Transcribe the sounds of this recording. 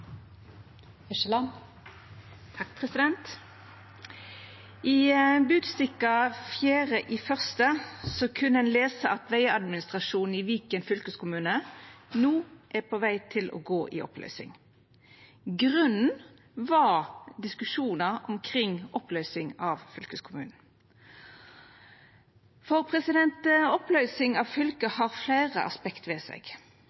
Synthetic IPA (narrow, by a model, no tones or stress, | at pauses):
ɛʃəlɑn | t̪ʰɑk̚pʰʁɛsɪd̪ɛnt̪ | ʔɪbʉːd̪st̪ɪkːɑfjæːʁəʔifœʁst̪əsɔkʰʉnːəɛnleːsəʔɑt̪ʋæɪɑd̪mɪnɪst̪ʁɑʂuːnn̩ɪʋiːkənfʏlkəskʰʊmʉːnənuːʔæpʰɔʋæɪt̪ʰɪlʔɔ̰ɡoːʔɪ̰ʔɔ̰plœ̰ʏsɪ̰ŋ | ɡʁʉnn̩ | ʋɑd̪ɪskʉʂuːnəɔmkʰʁɪŋɔplœʏsɪŋɑʋfʏlkəskʰʊmʉːnn̩ | fɔʁpʰʁɛsɪd̪ɛnt̪ɔplœʏsɪŋɑʋfʏlkəhɑʁflæːʁə̰ʔɑ̰spɛkt̪ʋɛːsɛ̰ɡ